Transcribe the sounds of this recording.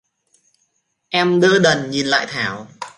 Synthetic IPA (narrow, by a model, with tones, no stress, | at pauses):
ʔɛ˧mɗəː˧ɗə˨˩nɲi˨˩nla̰ː˧˨jt̪ʰaː˨˦w